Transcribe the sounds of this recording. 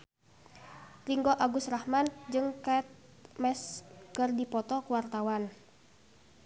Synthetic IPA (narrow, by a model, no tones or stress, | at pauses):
riŋɡɔʔaɡusrahmand͡ʒɨŋkat̪̚ | mɛskərdipɔt̪ɔkuwart̪awan